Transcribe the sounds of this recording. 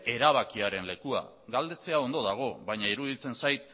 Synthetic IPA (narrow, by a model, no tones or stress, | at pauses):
e̞ɾaβ̞akiaɾe̞nle̞kua̰ | ɡald̪e̞t͡se̞ao̞nd̪o̞ðaɣ̞o̞βajɲaiɾuð̞it͡se̞nsajt̪